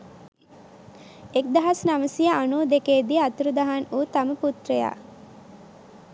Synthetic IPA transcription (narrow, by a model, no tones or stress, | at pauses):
ek̚d̪aɦasnaməsijaʔanuːd̪ekeːd̪iat̪uɾud̪aɦanuːt̪aməput̪reja̰ː